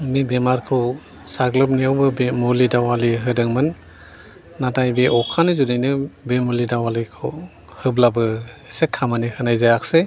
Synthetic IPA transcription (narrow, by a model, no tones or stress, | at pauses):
mibemaɾkʰɯ | saɡlɯp̬̚nijawbɯbemulidawaliɦɯdɯŋmɯnː | atajbeʔɔkʰanɯzudajnɯbemulidawalikʰɯ̰ | hɯblabɯesekʰamanihɯnajzajak̚se